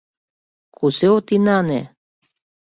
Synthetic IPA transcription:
kuseot̪inɑnḛ

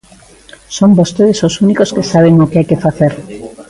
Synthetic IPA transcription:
sombost̪eð̞esosunikoskesaβeŋokeajkefaθeɾ

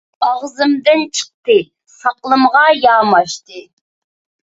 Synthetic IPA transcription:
ɑʁzɨmd̪ɪnt͡ʃʰə̥q̚t̪ɨ | sɑqlˠɨmʁɑjɑːmɑʃt̪ɨ

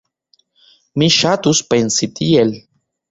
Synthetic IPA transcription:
miʃat̪uspensit̪iel

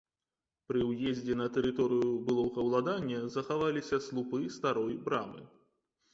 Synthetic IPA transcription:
pɾɨwjezʲd͡zʲɛnɐt̪ɛɾɨt̪ɔɾɨjubɨlˠɔɣɐwlˠad̪anʲːɐzɐxavalʲisʲɐslˠupɨst̪aɾɔjbɾamɨ̰

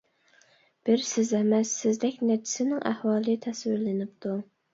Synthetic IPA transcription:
b̥ɪɾsɪzɛmɛsːɪzd̪ɛkʲnɛt͡ʃʰɪ̥sɪnɪŋʔæhwɑːlˠɨt̪ʰɛswɪɾlɪnɪp̚t̪ʰu

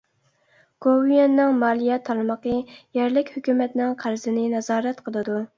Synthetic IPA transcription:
ɡ̥owijɛnːɪŋmɑːlˠijɛt̪ʰːɑɾməqəjɛɾlɪkʲhykʲymɛt̪nɪŋqʰæɾzɪnɪnɛzɑːɾɛt̪qʰəlˠɨd̪u

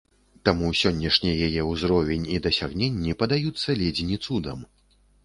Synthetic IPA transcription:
t̪amusʲɔnʲːɐʂnʲijajɛuzɾɔvʲenʲid̪ɐsʲaɣnʲenʲːipɐd̪ajut̪sːɐlʲɛd͡zʲinʲit̪sud̪ɐm

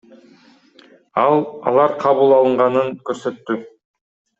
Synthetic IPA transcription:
ɑlˠɑ̰lˠɑɾqʰɑβulˠɑlˠɯɴʁɑnɯŋkɵɾsø̞t̪ːy

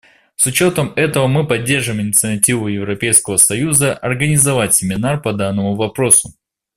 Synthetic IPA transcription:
sʊt͡ɕo̞t̪əmɛt̪əvəmɨpɐdʲːe̞rʐɨmɪnʲɪt̪sɨɐtʲivʊjɪvɾɐpʲejskəvəsɐjuzəʔɐrɡənʲɪzɐvatʲsʲɪmʲɪnarpɐd̪anːəmʊvɐpɾo̞sʊ̥

